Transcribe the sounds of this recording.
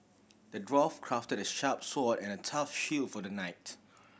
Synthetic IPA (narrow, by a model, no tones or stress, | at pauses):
d̥ədɹɔfkʰɹ̥aftəɾəʃap̚sɔdɛ̃nətʰafʃilfɔdənaɪt